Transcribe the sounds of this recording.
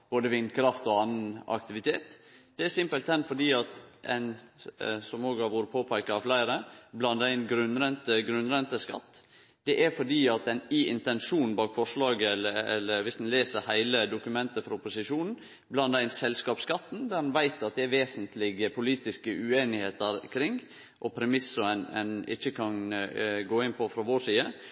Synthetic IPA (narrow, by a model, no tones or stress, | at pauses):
b̥oːd̪əʋɪnkʰɾɑft̪ɔɑnːənɑ̰kt̪ɪʋɪt̪ʰeːt̪d̪̥ɛæɾsɪmpəlt̪ɛnfɔɖiːɑt̪ʔɛ̰ɪn | sɔmoːɡɑʋuːɾəpʰoːpʰæɪkɑɑflæɪɾəblɑnd̪æɪnɡɾʉnɾɛnt̪əɡɾʉnɾɛnt̪əskɑ̰t̪ː | d̪̥ɛʔæɾfɔɖiːɑt̪ɛniɪnt̪ɛnʂuːnbɑːkfɔʂlɑːɡəɛləɛ̰lːəɾʋɪsd̪ɛnleːsəɾhæɪləd̪ʊkʉmɛnt̪əfɾɑʊpʊsɪʂuːnn̩ | blɑnd̪æɪnsɛlskɑːpskɑt̪ːn̩d̪æɾmɛnʋæɪt̪ɑt̪̚d̪ɛæɾʋeːsənt̪ʰlɪɡəpʰʊliːt̪ɪskəʔʉeːnɪheːt̪əɾkʰɾɪŋː | ʔɔpʰɾɛmɪsʊɛnɛ̰nɪ̰çːəkʰɑnɡoːɪnpɔfɾɑʋoːʂiːə